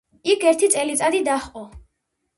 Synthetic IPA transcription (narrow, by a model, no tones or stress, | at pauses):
ikʰɛɾt̪ʰit̪sʼɛlit̪sʼad̪id̪aχqʼɔ